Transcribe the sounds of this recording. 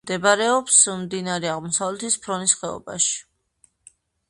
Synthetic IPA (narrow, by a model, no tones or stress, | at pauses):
d̪ɛbaɾɛɔpsmd̪inaɾɛaʁmɔsavlɛt̪ʰispʰɾɔnisχɛɔ̰ba̰ʃi̥